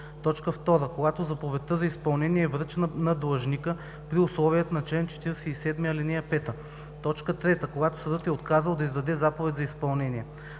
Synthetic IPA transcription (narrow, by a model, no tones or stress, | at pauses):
t̪ɔt͡ʃkəft̪ɔɾəkoɡat̪ozɐpovɛt̪ːəzɐispɐlˠnɛniɛːvɾət͡ʃnnɐd̪lˠɐʒnʲikə | pɾiʊslˠɔvijət̪ənɐt͡ʃlɛnt͡ʃɛ̥t̪iɾɛsɛisɛd̪miɐlinɛjɐpɛt̪ə | t̪ɔt͡ʃkət̪ɾɛt̪əkoɡat̪o̥sɐd̪ɤt̪ɛot̪kazəlˠd̪ɐizd̪ɐd̪ɛzapovɛt̪ʲzɐispɐlˠnɛniɛ